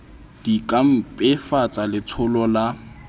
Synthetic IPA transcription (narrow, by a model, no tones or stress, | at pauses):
d̥ikʼam̩pʼɪfat͡sʼalɪt͡sʰʊlɔla